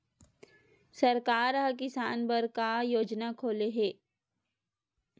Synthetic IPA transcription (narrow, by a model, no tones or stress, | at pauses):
sɐɾkaːɾɦk̬ɪsaːnbəɾkajoːd͡ʒnakʰoːleɦeː